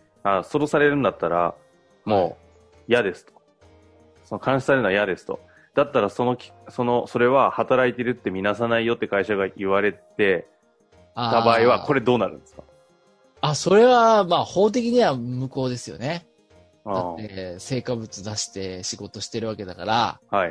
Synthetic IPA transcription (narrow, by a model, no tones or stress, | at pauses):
aso̞ɾo̞saɾe̞ɾɯ̟̃nd̪at̪ːaɾa̰ | mo̞ː | jad̪e̞sɨ̥t̪o̥ | sonokʰãɰ̃ɕi̥saɾeɯnajad̪e̞sɨ̥t̪o̞̰ | d̪̥at̪ːaɾaso̞no̞kʲi̥ | so̞no̞so̞ɾe̞βahat̪aɾait̪e̞ɾɯ̟t̪ːe̞mʲinas̬anaijo̞t̪ːekaiɕaɡaʔiβaɾe̞t̪e̞ | aːt̪abaːiβakʰo̞ɾe̞d̪o̞ːnaɾɯ̟̃nd̪esɨ̥kḁ | aso̞ɾe̞βamaːho̞ːt̪̬e̞k̬ʲiɲ̟iβamɯ̟ko̞ːd̪e̞sɨjo̞̰ne̞ | daat̪ːe̞se̞ːkabɯ̟t͡sɨd̪aɕi̥t̪e̞ɕiɡo̞t̪o̞ɕi̥t̪e̞ɾɯ̟βake̞d̪akaɾa̰hai